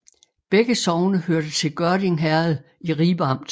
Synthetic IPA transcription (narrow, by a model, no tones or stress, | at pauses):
b̥eɡ̥əsɒʊnəhøɐd̥ət͡sʰe̝lɡ̥ɶɐdiŋɦæɐð̩ˠ | iʁiːb̥ɑ̈m̰d̥